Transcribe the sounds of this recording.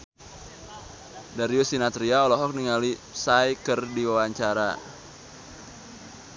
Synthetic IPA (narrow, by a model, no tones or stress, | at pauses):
daɾiusinat̪ɾiaɔlɔɦɔk̚niŋalisajkərdiwawaɲt͡ʃaɾa̰